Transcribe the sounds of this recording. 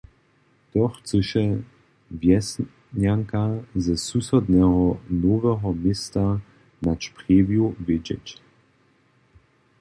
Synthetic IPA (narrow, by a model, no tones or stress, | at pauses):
t̪ɔxt͡səʃɛ | vjɛs | ɲjaŋkazɛsusɔd̪nɛɦɔnɔvɛɦɔmɪsta | naʃpʁeːvjuvɪd͡ʑɛ̰t͡ɕ